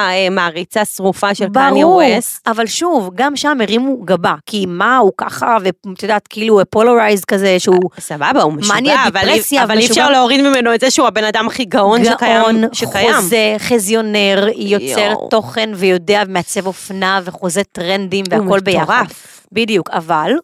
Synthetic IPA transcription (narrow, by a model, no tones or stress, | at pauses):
aemaːʁit͡sasʁufaʃelbaʁuavalʃuvɡamʃameʁimuɡabakimauka̰χavet̪jod̪aːt̪keiluepoloʁajzkazeʃeusababaummaniaivalʁesjavaliʃfʃaʁleoʁid̪mimenoetzeɛʃeuabenad̪amχiɡaonɡʃakaonʃkajoazeχezjo̞ne̞ʁjo̞t͡seʁto̞χe̞nvejo̞de̞avemeat͡se̞vo̞fnaveχozet̪ʁendimveako̞lbejaʁf | bid̪ijukaval